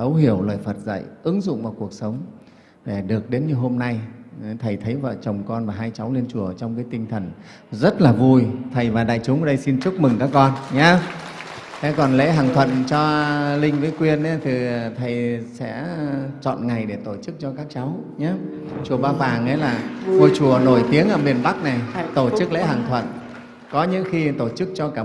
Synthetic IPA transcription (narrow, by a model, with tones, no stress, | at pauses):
zə˨˦wɦi˧˩əwləː˨˩jfə˨˩t̚zə̰˧˨jʔɨ˨˦ŋzʊ̰˧˨ŋ͡mvaː˨˩wku˨˩ək̚sə˨˦wŋ͡m | ɗe˧˩ɗɨ˨˩ək̚ɗe˨˦nɲɨ˧ɦo˧mna˧jt̪ʰə˨˩jt̪ʰə˨˦jvə̰ː˧˨t͡ɕə˨˩wŋ͡mkɔ˧nvaː˨˩ɦaː˧jt͡ɕa˨˦wle˧nt͡ɕu˨˩ət͡ɕɔ˧wŋ͡mkaː˨˦jt̪ï˧ŋ̟t̪ʰə˨˩n | zə˦˥t̚laː˨˩vu˧jt̪ʰə˨˩jvaː˨˩ɗa̰ː˧˨jt͡ɕʊ˨˦ŋ͡mə˨˩ɗə˧jsi˧nt͡ɕu˦˥k͡p̚mɨ˨˩ŋkaː˦˥kːɔ˧nɲaː˨˦ | t̪ʰɛ˨˦kɔ˨˩nlḛ˧˥ɦaː˨˩ŋt̪ʰwə̰˧˨nt͡ɕɔ˧lï˧ŋ̟vəː˨˦jkwi˧əna˨˦t̪ʰi˨˩t̪ʰə˨˩jsɛ̰˧˥t͡ɕɔ̰˧˨nŋa˨˩jɗe˧˩t̪o˧˩t͡ɕɨ˦˥k̚t͡ɕɔ˧kaː˦˥k̚t͡ɕa˨˦wɲaː˨˦ | t͡ɕu˨˩əɓaː˧faː˨˩ŋʔə˨˦jlaː˨˩vo˧˩t͡ɕu˨˩əno˧˩jt̪i˨˦əŋʔəː˧˩mi˨˩ənɓa˦˥k̚na˨˩jt̪o˧˩t͡ɕɨ˦˥k̚lḛ˧˥ɦaː˨˩ŋt̪ʰwə̰˧˨n | kɔ˨˦ɲɨ̰˧˥ŋxi˧t̪o˧˩t͡ɕɨ˦˥k̚t͡ɕɔ˧kaː˧˩